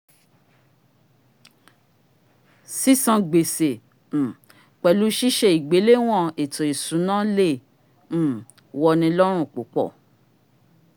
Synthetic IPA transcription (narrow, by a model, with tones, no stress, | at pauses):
si˦sã˧ɡ͡be˨se˨ | k͡pɛ˨lu˨˦ʃi˦ʃe˧i˨ɡ͡be˨˦le˦w̃ɔ̃˦˨e˨tũ˨e˨sũ˨˦nã˦lẽ˦˨˦ | wɔ˧nĩ˧lɔ˦ɾ̃ũ˦˨k͡po˨˦k͡pɔ̰˦˨